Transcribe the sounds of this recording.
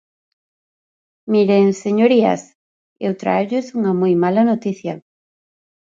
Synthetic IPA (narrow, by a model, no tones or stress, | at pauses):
miɾeŋseɲoɾia̰s | ewt̪ɾa̰eʎʊsuŋɐmojmalanot̪iθjɐ